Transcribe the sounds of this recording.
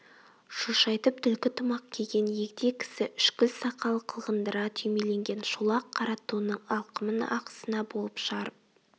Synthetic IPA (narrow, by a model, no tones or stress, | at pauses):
ʃuʃɑjt̪əp̚t̪ʰʏlkʲɪt̪ʰʊmɑq̚kʲʰe̞ɡʲe̞nje̞kd̪e̞kʲʰɪ̥sɪʔʏʃkʲɪlsɑqɑlˠqʰəlˠʁənd̪əɾɑt̪ʰʏjme̞le̞ŋɡʲe̞nʃulˠɑqʰːɑɾɑt̪uənəɴɑlˠqəmənɑ̰qə̥sənɑbo̞lˠəpʃʁɑɾəp̚